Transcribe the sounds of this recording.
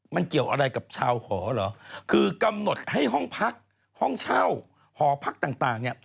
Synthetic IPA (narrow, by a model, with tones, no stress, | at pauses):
ma˧nki˨˩əwʔəː˧ɗa˧jka˨˩p̚t͡ɕʰaː˧wxɔː˨˩˦lɔː˨˦kʰɨː˧˩ka˧mno˨˩t̚ha˧˩jɦɔ˧˩ŋpʰaː˦˥k̚ | hɔ˧˥˩ŋt͡ɕʰaː˧˩w | hɔː˨˦pʰaː˦˥k̚t̪aː˨˩ŋt̪aː˨˩ŋɲɛ˧˩